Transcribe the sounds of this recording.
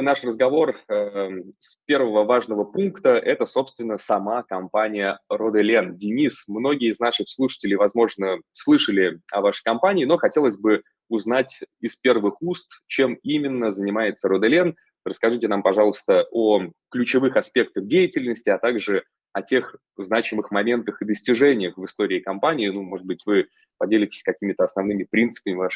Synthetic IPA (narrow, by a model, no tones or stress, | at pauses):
naʂrəzɡɐvo̞r | spʲe̞rvəvəvaʐnəvəpunkt̪əʔɛt̪əso̞pst̪vʲɪnːəsɐmakɐmpanʲɪjərod̪ɨlʲendʲɪnʲismno̞ɡʲɪjəɪznaʂɨxslˠuʂə̥tʲɪlʲɪjvɐzmo̞ʐnəslˠɨʂəlʲɪɐ̰vaʂɨjkɐmpanʲɪːno̞xɐtʲe̞lˠəsʲbɨ | ʊznatʲɪspʲe̞rvɨxust̪t͡ɕe̞mimʲɪnːəzənʲɪmajɪt̪səɾod̪ɛlʲɛn | rəskɐʐɨtʲɪnampɐʐɑlˠəst̪əʔoklʲʉt͡ɕɪvɨxɐspʲe̞k̚t̪əxdʲejɪtʲɪlʲnəsʲtʲɪɐt̪aɡʐɨ | ɐtʲe̞x | znat͡ɕɪmɨxmɐmʲe̞nt̪əxɨd̪əsʲtʲɪʐɛnʲɪjəxvɨst̪o̞ɾʲɪːkɐmpanʲɪːnumo̞ʐɨd̪̚bɨtʲvɨ | pɐdʲelʲɪtʲɪ̥sʲkɐkʲimʲɪt̪əɐsnɐvnɨmʲɪpɾʲint̪sɨ̥pəmʲɪvaʂ